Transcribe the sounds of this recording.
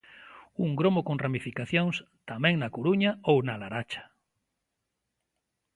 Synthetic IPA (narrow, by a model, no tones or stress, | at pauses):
uŋɡɾomokoŋramifikaθjoŋs | t̪amɛ̃ŋnakoɾuɲaownalaɾat͡ʃḁ